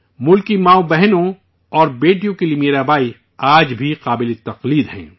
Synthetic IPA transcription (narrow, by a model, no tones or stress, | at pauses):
mʊlkimaːobɛɦnõ | ɔːɾbeːʈijõkilimeːɾaːbaːi | aːd͡ʒbʱiqaːbɪlet̪ɐqliːd̪hɛ̰̃ː